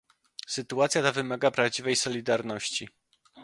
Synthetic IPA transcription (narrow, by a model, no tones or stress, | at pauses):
sɘt̪uat̪sʲjat̪avɘmaɡapɾavd͡ʑivɛjsɔlʲid̪aɾnɔɕt͡ɕi